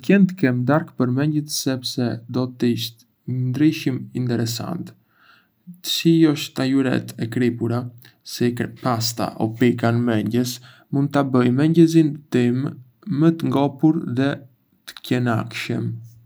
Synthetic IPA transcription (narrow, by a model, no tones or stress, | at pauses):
kɛnt̪əkɛmd̪aɾkpəɾmɛɲɟət̪sɛpsɛd̪ɔt̪iʃt̪ | ɲənd̪ɾiʃimint̪ɛɾɛsa̰nt̪ | ə̥siɔʃt̪ajuɾɛ̰t̪ʰɛkɾipuɾa | sipast̪a̰ʔɔ̰pikanmɛɲɟəs | mund̪̚t̪abəjmɛɲɟɛzint̪imː | ət̪əŋɡɔpuɾðɛ | t̪ə̥cɛnakʃəm